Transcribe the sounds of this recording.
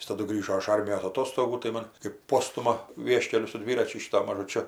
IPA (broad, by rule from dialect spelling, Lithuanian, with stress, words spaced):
ˈjɪs tɐˈdʊ ˈɡrʲiːʒoː ɪʃ ˈɐrʲmʲɪjoːs ɐˈtoːstoːɡuː tɐɪ ˈmoːn kɜp ˈpoːstʊmɐ ˈʋʲiɛʃʲkʲɛlʲʊ sʊ ˈdʲʋʲɪrɐt͡ʃʲʊ ˈʃʲiːtʊ mɐʒʊˈt͡ʃʲʊ